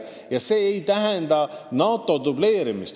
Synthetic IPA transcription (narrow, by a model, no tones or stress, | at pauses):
jɑse̞ːjt̪æɦɛnd̪ɑnɑːt̪ːˑo̞d̪uble̞ːɾimist̪